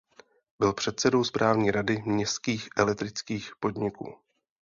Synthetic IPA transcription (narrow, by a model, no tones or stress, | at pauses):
bɪlpr̝̥ɛt̪̚sɛdo̞wspɾʔaːvɲiːɾadɪmɲɛst̪kiːxʔɛlɛk̚t̪ɾɪt͡skiːxpo̞dɲɪkṵː